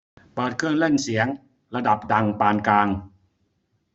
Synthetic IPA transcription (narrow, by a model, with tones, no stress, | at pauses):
baː˨˩t̪̚kʰɯ˥˩ənle˥˩nsi˩˦əŋ | ɾa˧da˨˩p̚da˧ŋpaː˧nklaː˧ŋ